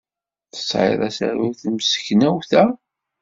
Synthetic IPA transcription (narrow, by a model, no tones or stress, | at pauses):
θə̥sˤʕɪ̰ðˤæsæ̰ɾiθmsə̥çnæwθæ